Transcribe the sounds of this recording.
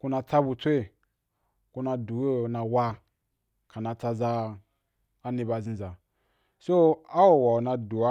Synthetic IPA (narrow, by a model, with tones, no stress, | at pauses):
ku˧na˧t͡sa˦bu˧t͡sʷe˦˨ | ku˧na˧du˨jo˦˨na˨wa˦ | ka˨na˨t͡sa˧za˧˦ | ni˧ba˧˨zĩ˨za˨ | so˦a˦wo˨wa˨o˨na˧du˨a˦